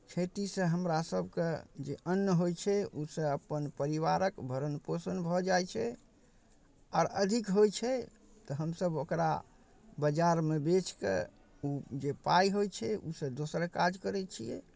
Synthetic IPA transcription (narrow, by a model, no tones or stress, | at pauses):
t͡ʃʰeʈisə̃ɦəmɾasəbʱked͡ʒeʔənːəɦojt͡ʃʰɛusə̃əpənpəɾiʋaɾəkbʱəɾənposənbʱɔd͡ʒajt͡ʃʰɛ | ɔːɾə̰d̪ʱikɦojt͡ʃʰɛ | t̪ɔɦəmsəbokɾa̰ | bəd͡ʒaɾmebet͡ʃkḛ | ud͡ʒepajɦojt͡ʃʰɛṵsə̃d̪osɾkad͡ʒkəɾɛt͡ʃʰijɛ̰